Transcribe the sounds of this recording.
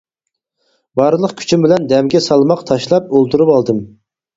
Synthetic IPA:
bɑɾlˠəqkʲʰy̥t͡ʃʰimbɪlɛnd̪ɛmɡʲɛsɑlˠmɑqt̪ʰɑʃlˠɑp̚olˠt̪ʰuɾupɑlˠd̪ɨm

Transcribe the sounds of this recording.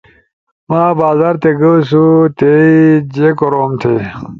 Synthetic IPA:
maːbaːzaɾt̪eɡɐsut̪eid͡ʑekoɾoːmt̪ʰe

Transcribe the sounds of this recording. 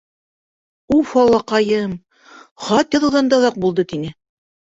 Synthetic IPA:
ulˠfɑlˠɑqɑjɤm | χɑt̪jɑðɤ̆wðɑnd̪ɑðɑq̚bulˠd̪ɤt̪inɘ

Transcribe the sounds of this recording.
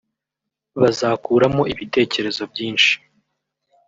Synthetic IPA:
βazaːkuːɾamo̞ʔiβite̞ːce̞ɾe̞zo̞bɟiːnʃi̥

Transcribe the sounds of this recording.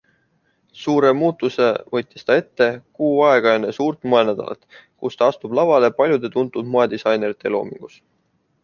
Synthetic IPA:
suːɾe̞muːt̪ːˑuse̞vɤ̞t̪ʲːˑist̪ɑe̞t̪ːe̞kuːɑe̞ɡ̥ɑjɑnesuːrt̪ˑmoe̞næd̪̥ɑ̰lʔɑ̰t̪ːˑkust̪ɑɑst̪ub̥lɑvɑle̞pɑlʲjud̪̥e̞t̪unt̪ːˑud̪moed̪isɑjne̞ɾit̪ːˑe̞̰lo̞̰ːmḭŋɡ̥us

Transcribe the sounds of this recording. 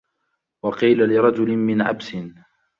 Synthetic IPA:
wɑqiːlalɪɾˤɑd͡ʒʊlɪmɪnʕa̰bsɪn

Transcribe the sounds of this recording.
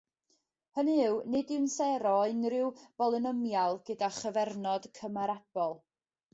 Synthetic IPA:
hənɨwnɨdɪwnsɛɾɔɨnrɪwb̥ɔlˠɨnəmjalˠɡədaχəvɛrnɔd̥kʰəmaɾab̥ɔlˠ

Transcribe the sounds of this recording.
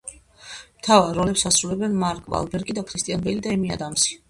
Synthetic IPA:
mt̪ʰavaɾːɔlɛpsasɾulɛbɛnmaɾkʼva̰lˠbɛɾɡid̪akʰɾist̪ʼianbɛlid̪aɛmia̰d̪amsi̥

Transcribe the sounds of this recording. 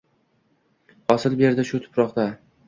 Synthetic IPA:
ɒsɪlbe̞ɾd̪ɪʃʊt̪ʰʊ̥pɾɒqt̪a

